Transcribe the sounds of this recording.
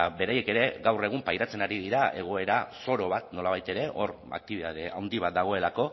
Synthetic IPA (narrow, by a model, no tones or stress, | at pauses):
be̞ɾaje̞ke̞ɾe̞ɣawre̞ɣ̞umpajɾat͡se̞naɾiðiɾae̞ɣ̞o̞e̞ɾaso̞ɾo̞βat̪no̞laβ̞ajt̪e̞ɾe̞ʔo̞r | a̰k̚t̪iβiðaðeawnd̪iβ̞at̪̚d̪aɣ̞o̞e̞lako̞